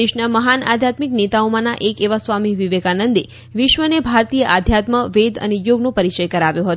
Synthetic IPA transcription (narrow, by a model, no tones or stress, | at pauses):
eʃnaməɦana̰d̪ʱjat̪miknet̪aomãnaʔekeʋasʋamiʋiʋekanənd̪i | ʋɪʃʋənebʱaɾt̪ijəʔad̪ʱjat̪məʋed̪ə̰nejoɡnõpəɾit͡ʃəjkəɾaʋjõɦət̪o